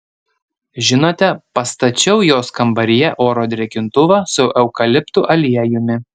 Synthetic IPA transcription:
ʒʲɪnoːt̪ʲɛpɐst̪ɐt͡ʃʲɛʊjoːskɐmbɐɾʲɪjɛʔoːɾoːd̪ʲɾʲɛkʲɪnt̪ʊʋɑːsʊʔɛʊkɐlʲɪpt̪uʔɐlʲiɛjʊmʲɪ

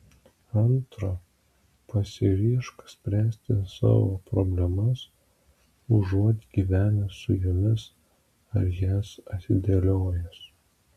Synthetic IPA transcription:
ɐnt̪ɾɐ | pɐsʲɪɾʲiɛʃkɐ̥sʲpʲɾʲæːsʲt̪ʲɪsɑ̰ːʋo̰ːpɾobʲlʲɛmɐs | ʊʒuɔt̪ʲɡʲiːʋʲæːnʲɪsʊjʊmʲɪs | ɐɾjæːsɐt̪ʲɪd̪ʲelʲoːjɛs

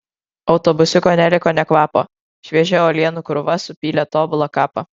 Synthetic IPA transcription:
ɒʊt̪ɔbʊsʲɪkoːnʲælʲɪkoːnʲɛkʋɑːpo̰ː | ʃʲʋʲiɛʒʲɛːoːlʲiɛnukɾʊʋɐsʊpʲiːlʲɛt̪oːbʊlˠokɑːpɐ

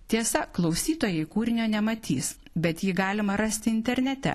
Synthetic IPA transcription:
t̪ʲiɛsɐklˠɐʊsʲiːt̪oːjɛɪkuːɾʲɪnʲoːnʲɛmɐt̪ʲḭːs | bʲɛt̪jiːɡɑːlʲɪmɐɾɐsʲt̪ʲɪɪnʲt̪ʲɛɾʲnʲɛt̪ʲɛ̰

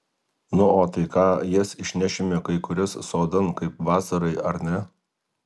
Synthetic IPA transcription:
nʊoːt̪ɐɪkɑːjɪsɪʃʲnʲæʃʲɪmʲɪkɐɪkʊɾʲɪsːoːd̪ɐnkɐɪp̚ʋɑːsɐɾɐɪɐɾnʲɛ

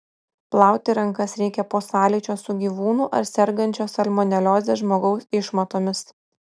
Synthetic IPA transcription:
plˠɑˑʊt̪ʲɪɾɐŋkɐsɾʲɛɪkʲɛpoːsɑːlʲɪːt͡ʃʲoːsʊɡʲiːʋuːnuːʔɐ̰ɾsʲɛɾɡɐnʲt͡ʃʲoːsɐlʲmɔnʲɛlʲoːzʲeːʒmoːɡɒʊsɪʃmɐt̪oːmʲɪs

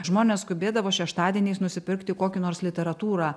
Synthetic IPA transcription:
ʒmoːnʲɛːsskʊbʲeːd̪ɐʋoːʃʲɛʃt̪ɑːd̪ʲieːnʲeɪsnʊsʲɪpʲɪɾkt̪ʲɪkoːkʲɪnoːɾslʲɪt̪ʲɛɾɐt̪uːɾɑː

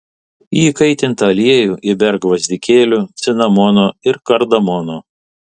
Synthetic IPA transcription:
iːkɐɪt̪ʲɪnt̪ɐɐlʲiɛjuːʔɪbʲɛɾɡʋɐzʲd̪ʲɪkʲeːlʲuːt̪sʲɪnɐmɔnoːɪɾkɐɾd̪ɐmɔnoː

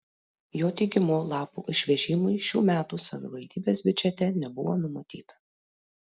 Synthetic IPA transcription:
joːt̪ʲɛɪɡʲɪmoːlˠɑːpṵʔɪʃʲʋʲɛʒʲɪmʊɪʃʲuːmʲæːt̪usɐʋʲɪ̰ʋɐlʲd̪ʲiːbʲeːsbʲʊd͡ʒʲɛt̪ʲɛnʲɛbʊʋoːnʊmɐt̪ʲiːt̪ɐ̥

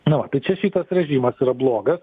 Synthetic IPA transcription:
nʊʋɐt̪ɐɪt͡ʃʲɛʃʲiːt̪ɐsɾʲɛʒʲiːmɐsiːɾɐblˠoːɡɐs

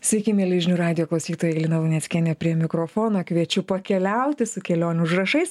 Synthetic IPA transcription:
sʲʋʲɛɪkʲɪmʲɛlʲɪʒʲnʲuːɾɑːd̪ʲɪjoːklˠɐʊsʲiːt̪oːjɛlʲɪnɐʋʊnʲɛsʲkʲɛnʲɛpʲɾʲiɛmʲɪkɾoːfoːnoːkʋʲiɛt͡ʃʲʊpɐkʲɛlʲɛʊt̪ʲɪsʊkʲɛlʲoːnʲʊʒɾɐʃɐɪs

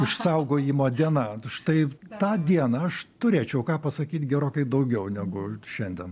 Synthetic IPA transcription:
ɪʃsɐʊɡoːjiːmoːd̪ʲiɛnɑːʃt̪ɐɪt̪ɑːd̪ʲiɛnɐɐʃt̪ʊɾʲeːt͡ʃʲɛʊkɑːpɐsɐkʲiːt̪ɡʲɛɾoːkʲɐɪd̪ɐʊɡʲɛʊnʲɛɡʊʃʲɛnʲd̪ʲɛn

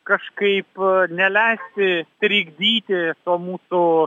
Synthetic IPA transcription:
kɐʃkɐɪpnʲɛlʲæɪsʲt̪ʲɪt̪ʲɾʲɪɡd̪ʲiːt̪ʲɪt̪uɔmuːsʊ

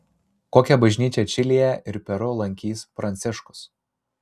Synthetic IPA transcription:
koːkʲɛbɐʒʲnʲiːt͡ʃʲɛt͡ʃʲɪlʲijɛʔɪɾpʲɛɾʊlˠɐŋʲkʲiːspɾɐnʲt̪sʲɪʃkʊ̥s

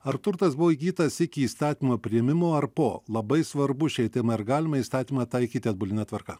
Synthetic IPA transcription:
ɐɾt̪ʊɾt̪ɐsbʊʋoːiɡʲiːt̪ɐsɪkʲɪiːst̪ɑːt̪ʲiːmoːpʲɾʲɪjɛmʲɪmoːɐɾpoːlˠɐbɐɪsʋɐɾbʊʃʲɛɪt̪ʲɛmɐɐɾɡɑːlʲɪmɐist̪ɑːt̪ʲiːmɐt̪ɐɪkʲiːt̪ʲɪɐd̪̚bʊlʲɪnʲɑːt̪ʋɐɾkɐ

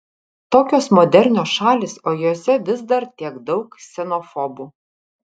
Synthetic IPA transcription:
t̪oːkʲoːsmɔːd̪ʲɛɾʲnʲoːsʃɑːlʲiːsoːjoːsʲɛʋʲɪzd̪ɐɾt̪ʲiɛɡd̪ɒʊksʲɛnofɔbuː

